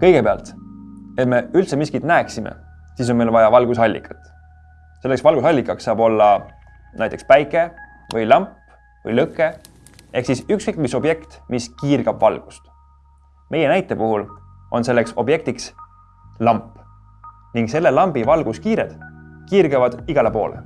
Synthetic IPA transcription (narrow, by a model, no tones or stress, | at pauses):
kɤ̞jɡ̥epeɑ̰lt̪e̞t̪me̞ylt̪semiskit̪næːksimḛ | siːs̬o̞nmejlvɑjɑvɑlɡ̥usɑlʲːḭkʰːˑɑ̥t̪ːˑ | se̞lːeksvɑlɡusɑlʲːikːˑɑksːɑːb̥o̞lːɑ | næjt̪ekspæjkːˑe̞ | vɤjlɑmpː | vɤ̰jlɤkːˑe | ʔe̞hksisyksikmiso̞b̥je̞kt̪miskiːrɡ̥ɑb̥vɑlɡ̥u̥st̪ | me̞je̞næjt̪ːˑe̞puɦul | o̞̰nse̞lːe̞kso̞bje̞k̚t̪iks | lɑmpːˑ | niŋɡse̞lːe̞lɑmb̥ivɑlɡ̥uskiːɾed̪̥kiːrɡ̥evɑd̪̥iɡ̥ɑlepo̞̰ːlḛ